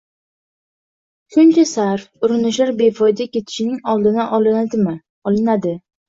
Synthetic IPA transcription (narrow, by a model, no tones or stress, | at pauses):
ʃʊnt͡ʃʰasaɾfʊɾɪnɪʃlaɾbe̞fɒjd̪akʲe̞t̪ʰɪ̥ʃɪnɪŋɒlˠd̪ɪnaʔ̪ɪ | ɒlɪnad̪ɪ